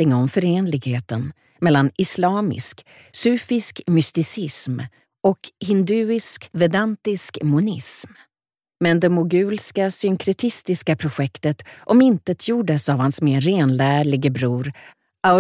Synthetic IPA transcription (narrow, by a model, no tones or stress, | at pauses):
ɪŋɔmfœɾeːnlɪɡheːt̪ən | mɛlːanɪslɑːmɪ̰sk | sʉːfɪskmʏst̪ɪsɪsm | ɔkhɪnd̪ʉ̟ːɪskvɛd̪ant̪ɪskmʊnɪsm | mɛnd̪ɛmʊɡʉ̟ːlskasʏŋkʰɾɛt̪ʰɪst̪ɪskapʰɾʊɧɛkt̪ət̪ʔɔmɪnt̪ət̪ʰjuːɖəsavhansmeːeːnlæːɭɪɡəbɾuːɾ | ʔa